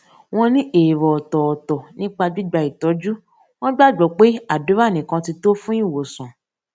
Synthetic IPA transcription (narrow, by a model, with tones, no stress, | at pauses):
w̃ɔ̃˧nĩ˦ʔeː˨ɾɔ˨ɔ˨tɔ˨ɔ˨tɔ˨nĩ˦k͡pa˧d͡ʒi˦˨ɡ͡ba˧˨i˨tɔ˨˦d͡ʒu˦ | w̃ɔ̃˦ɡ͡ba˦˨ɡ͡bɔ˨˦k͡pe˦a˦˨do˨˦ɾa˦˨nĩ˨kã˧ti˧to˦fũ˦ĩ˦˨wo˨sɔ̃˨